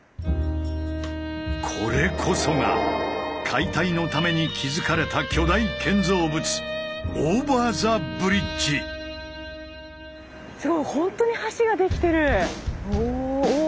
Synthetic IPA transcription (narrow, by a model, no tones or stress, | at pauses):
kʰo̞̰ɾe̞kʰo̞so̞ŋa̰ | kʰait̪aino̞t̪ame̞ɲ̟ikʲʰizɨkaɾe̞t̪akʲo̞d̪aikʰẽ̞nd͡zo̞ːbɯ̟t͡sɨ̥oːbaːzabɯ̟ɾʲid͡ʑi | soɾohõ̞nt̪o̞ɲ̟ihaɕiɡad̪e̞kʲi̥t̪e̞ɾɯ̟o